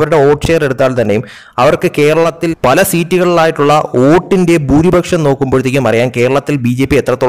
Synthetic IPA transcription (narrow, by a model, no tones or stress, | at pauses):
ʋɐɾuɽe̞o̞ːʈʂe̞ːre̞ɽut̪ːaːlt̪ɐnːejum | ɐʋɐrkɨke̞ːɾɐɭɐt̪ːilpɐlɐsiːtːuɣɐɭilaːjiʈːuɭːɐoːʈːinde̞buːɾibʱɐkʂɐmno̞ːkːumboɻut̪ːikʲːumɐrijaːnke̞ːɾɐɭɐt̪ːilbiːd͡ʑepːiet̪ːrɐt̪ːo